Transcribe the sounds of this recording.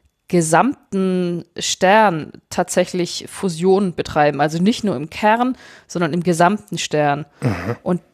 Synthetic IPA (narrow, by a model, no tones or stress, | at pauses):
ɡ̥əzamtn̩ʃtɛɐntʰaːtz̥ɛçlɪçfuzjoːnb̥ətʁ̥aɪbm̩ʔalzonɪçtnuːɐɪmkʰɛʁnz̥ɔndɐnɪmɡəzamtn̩ʃtɛɐnʔʊnt̚